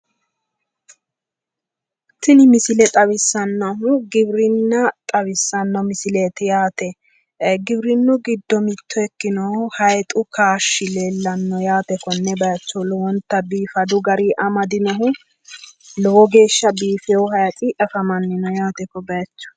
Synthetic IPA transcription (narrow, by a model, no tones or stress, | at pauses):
t̪ːɪnɪmɪsɪlɛt̪ʼɐwɪsːɐnːɔɦʊɡɪbɾɪnːɐt̪ʼɐβɪsːɐnːɔmɪsɪleːt̪ɪjaːt̪ɛ | ɡɪbɾɪnːʊɡɪd̪ːɔmɪt̪ːɔɛkːɪnɔhɐjt̪ʼʊkʰaːʃːɪleːlːɐnːɔjaːt̪ɛkɔnːɛbɐjɐt͡ʃːɔlɔwɔnt̪ːɐbiːfɐd̪ʊɡɐɾiːʔɐmɐd̪ɪnɔɦʊ | lɔwɔɡe̞ːʃːɐbiːfɛwʊɦɐjɐt̪ʼɪʔɐfɐmɐnːɪnɔjaːt̪ɛkɔbɐjɐt͡ʃːɔ̥